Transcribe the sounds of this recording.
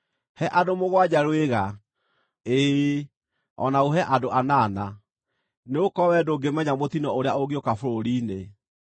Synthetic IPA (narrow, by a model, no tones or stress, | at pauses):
hɛʔadomoɣwad͡ʑaɾweɣa | e | ɔ̰naoɦɛʔadoanaːna | neokɔwɛdoɡemɛɲamot̪inɔoɾeaoɣiokafoɾoɾiːne